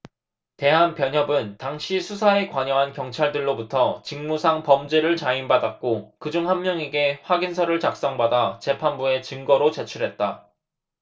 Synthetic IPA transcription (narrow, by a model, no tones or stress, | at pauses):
te̞ɦanpjʌɲɦʌbɯntaŋɕʰisʰusʰae̞kwaɲʌɦankjʌŋt͡ɕʰaɭdɯɭːobutʰʌt͡ɕiŋmusʰaŋpʌmd͡ʑeɾɯɭt͡ɕainbadak̚k͈okɯd͡ʑuŋɦanːjʌŋe̞ɡe̞ɸwaɡinsʰʌɾɯɭt͡ɕak̚s͈ʌŋbadat͡ɕe̞pʰanbue̞t͡ɕɯŋɡʌɾot͡ɕe̞t͡ɕʰuɾɦe̞t̚t͈a